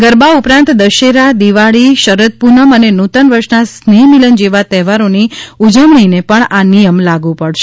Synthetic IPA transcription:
ɡəɾbaupɾãnt̪d̪əʃeɾad̪iʋaɭiʃəɾət̪̚punəmənenut̪ənʋəɾʃnasnimilənd͡ʒeʋat̪ɛɦʋaɾoniud͡ʒəmɳinepəɳanijəmlaɡũpəɭʃe

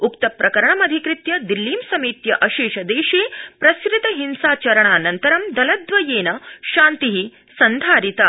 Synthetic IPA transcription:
ukt̪ɐpɾɐkɐɾɐɳɐmɐd̪ʱikɾɪt̪jɐd̪ilːiːmsɐmiːt̪jɐʔɐʃiːʃɐd̪eːʃiːpɾɐskɾɪt̪ɐɦinsaːt͡ʃɐɾɐɳaːnɐnt̪ɐɾɐmd̪ɐlɐd̪ʋɐjeːnɐʃaːnt̪iɦi | sɐnd̪ʱaːɾit̪ɐ

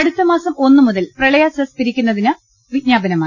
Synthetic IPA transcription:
ɐɽut̪ːɐmaːsɐmo̞nːɨmuðɐlprɐɭɐjaːsɐspiɾikʲːunːɐðinɨ | ʋid̚ɲaːbɐnɐma

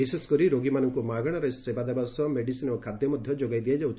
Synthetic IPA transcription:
iseskɔɾiɾoɡimanɔŋkumaɡɔɽ̃ɔɾesebad̪abasɔmeɖisinɔɔkʰad̪jɔmɔd̪ʱjɔd͡ʒoɡajd̪ijad͡ʒawt͡ʃʰ

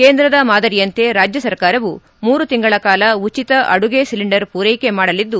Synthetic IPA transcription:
keːnd̪ɾɐd̪ɐmaːd̪ɐɾijɐnt̪e̞ɾaːd͡ʒjɐsɐɾkaːɾɐʋu | muːɾut̪iŋɡɐɭɐkaːlɐut͡ʃit̪ɐʔɐɽuɡesiliɳɖɐɾpuːɾejke̞maːɽɐlid̪ːu

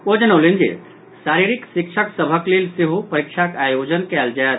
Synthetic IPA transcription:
od͡ʒənolind͡ʒḭ | saɾiɾiksikʃʰəksəbʱəklelsiɦupəɾikʃʰakajod͡ʒənkɛːld͡ʒaet̪

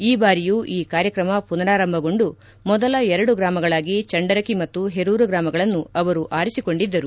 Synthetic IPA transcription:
iːbaːɾijuːʔiːkaːɾjɐkɾɐmɐpunɐɾaːɾɐmbʱɐɡo̞ɳɖu | mɔd̪ɐlɐɛɾɐɽuɡɾaːmɐɡɐɭaːɡit͡ʃɐɳɖɐɾɐkimɐt̪ːuɦeɾuːɾɐɡɾaːmɐɡɐɭɐnːuɐʋɐɾuʔaːɾisiko̞ɳɖid̪ːɐɾu

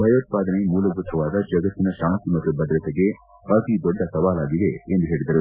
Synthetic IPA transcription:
bʱɐjoːt̪̚paːd̪ɐnemuːlɐɡɾut̪ʰːɐʋaːd̪ɐd͡ʒɐɡɐt̪ːinɐʃaːnt̪imɐt̪ːubɐd̪ɾɐt̪eɡe̞ | ɐːt̪id̪ɔɖːɐsɐʋaːlaːɡid̪eːnd̪uɦeːɭid̪ɐɾu

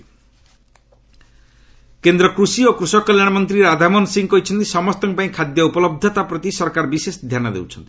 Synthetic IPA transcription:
kend̪ɾɔkɾusiokɾusɔkɔljaɽ̃ɔmɔnt̪ɾiɾad̪ʱamɔnsiŋɡkɔɦit͡ʃʰɔnt̪isɔmɔst̪ɔŋpaĩkʰad̪jɔupɔlɔb̚d̪ʱɔt̪apɾɔt̪isɔɾkaɾbisesd̪ʱjanɔd̪ḛwt͡ʃʰɔnt̪ii̥

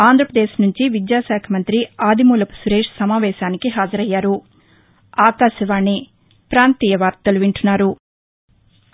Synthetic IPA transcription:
aːnd̪ʱɾɐpɾɐd̪eːʃnuɲt͡ʃiʋid̪jaːʃaːkʰɐmɐnt̪ɾiaːd̪imuːlɐpu̥suɾeːʂsɐmaːʋɛːʃaːnikiɦaːd͡ʒɐɾɐjːaːɾu | aːkaːʃɐʋaːɳːi | pɾaːnt̪iːjɐʋaːɾt̪ɐluʋiɳʈunːaːɾu

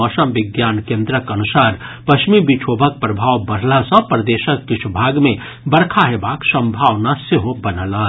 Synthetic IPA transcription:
ɔsəmʋɪɡjaːnkẽnd̪ɾəkənusaːɾpəkʃmibit͡ʃʰoːbʱək̚pɾəbʱaːwbəɽ̤lasə̃pɾəd̪eːʃəkːɪt͡ʃʰubʱaːɡmẽ | bəɾkʰaɦebaːksə̃mbʱaːʋnaseɦobənəlaː

